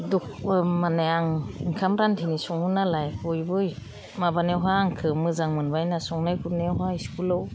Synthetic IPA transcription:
duk̚manejaŋiŋkʰamɾantʰinisɔŋhunalajbɔjbɯj | mabanewɦaːŋkʰɯmɯzaŋmɯnbajnasɔŋnajkʰunewɦaiskulɔw

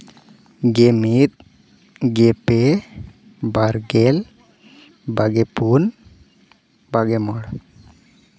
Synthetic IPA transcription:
ɡemit̪̚ | ɡepe | baɾɡel | baɡepun | baɡɛmɔɽ

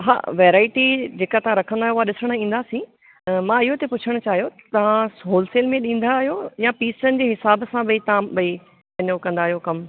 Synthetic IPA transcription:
ɦa̰ːʋeːɾaːɪʈid͡ʑeːkat̪ɐãɾɐkʰə̃nd̪aːɦjoʊaɗɪsəɽ̃ĩːn̆d̪aːsĩ | mãɪɦot̪epʊt͡ɕʰəɽ̃ʊt͡ɕaːɦijot̪ɐʋ̤ãsɦoːlseːlmẽɗĩːn̆d̪aːɦijojãpiːsənɪ̆d͡ʑeːɦɪsaːbsãɓɐit̪ɐãɓɐi | kɐɲokɐ̃nd̪aːɦijokɐm

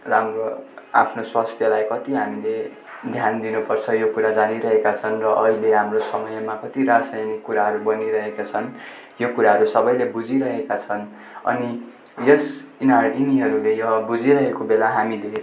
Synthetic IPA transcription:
ramroapʰnoswast̪ʰjʌlajkʌt̪iɦamile | d̪ʱjand̪inupʌrt͡sʰʌjokuɾad͡zaniɾʌɦekat͡sʰʌnrʌʔʌɦileɦamrosʌmʌjmakʌt̪iɾasajnikːuɾaɦʌɾubʌniɾʌɦekat͡sʰʌn | jokuɾaɦʌɾusʌbʌjlebud͡ziɾʌɦekat͡sʰʌn | ʌ̰ni | jʌsinariniɦʌɾulejʌɦʌbud͡ziɾʌɦekobelaɦamile

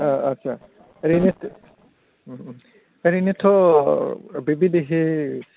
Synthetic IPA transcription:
ɐtːʃʰa | ɾinetʰ | ɾinet̪ʰɔ | bebid̪eɦe

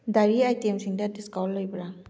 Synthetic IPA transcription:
daɾiajtemsiŋdɐdiskawllːojbɐɾa

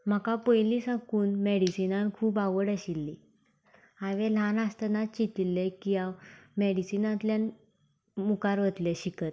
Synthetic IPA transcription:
m̤akapəjlisãkuːnmeɽisinãnkʰuːpaʋəɽəɕilːi | aʋẽl̤anast̪ənat͡ɕit̪ilːekiawmɛɽisinãt̪ljan | mukaɾʋət̪ljeɕikət̪

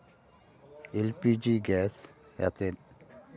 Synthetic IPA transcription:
elpid͡ʒiɡɛːsja̰t̪en

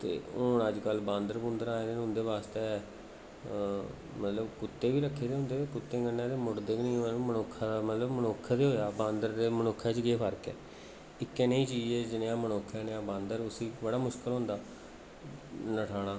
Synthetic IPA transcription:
t̪ḛːɦʊːɳəd͡ʒkəlbãːnd̪əɾpʊ̃nd̪əɾaːeːd̪eːɦʊ̃nd̪eːbaːst̪eː | mət̪ləbkʊt̪ːeːbiːɾəkʰːeːd̪eːɦʊ̃nd̪eːeːkʊt̪ːeːɡənːãːd̪eːmʊʈd̪eːknĩːomənoːkʰːamət̪ləbmənoːkʰːd̪eːɦoːjaːbãːnd̪əɾd̪eːmənoːkʰːɛːt͡ʃɡeːpʰəɾkɛː | ɪkːɛːnẽĩːt͡ʃiːd͡ʒeːd͡ʒɪnejãːmənoːkʰːɛːnejãːbãːnd̪əɾʊsiːbəɽaːmʊʃkəlɦʊ̃ːnd̪aː | nəʈʰaːɽaː

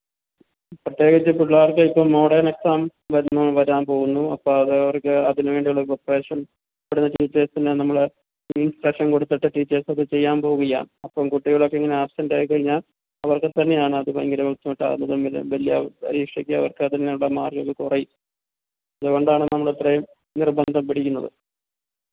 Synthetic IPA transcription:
prɐt̪je̞ːɣɐt͡ɕːɨpːuɭːaːrkɐipːoːɭmo̞ːɽɐːneksaːmʋɐɾunːoʋɐɾaːmpo̞ːɣunːuɐpːoːɭɐðɨɐʋɐrkɨɐðinʋe̞ːɳɖijuɭːɐpreːʂɐn | pɐɽunːɐʈiːt͡ɕːeːsindenɐmːɐɭe | miːnsʈrɐkʂɐnkoɽut̪ːɐʈːɐʈiːt͡ɕːeːsɐðɨt͡ɕe̞jːaːmpo̞ːɣuɣɐja̰ːmɐpːoːkuʈːijuɭo̞kːeːŋːɐne̞aːpsɐndaːjikːɐɻiɲːaːl | ɐʋɐrkɨt̪ɐnːe̞jaːɳɨɐðɨpɐjŋɡɐɾɐmɐt̪ːɐmiʈːa̰ːunːɐðɨmːil̰ʋɐlijɐ̰pɐ̰ɾiːkʂɐkʲːɨɐ̰ʋɐ̰rkɨt̪ɐnːejuɭːɐmaːrɡɐkːɨkurej | ɐðɨko̞ɳɖaːɳɨnɐmːɐɭet̪rej | nirbɐnd̪ʱɐmpiɽikʲːunːɐðɨ̰

